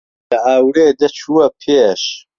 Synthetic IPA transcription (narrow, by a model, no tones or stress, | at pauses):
lɐʔaːwɾeːd̪ɐt͡ʃʰuɐpʰeːʃ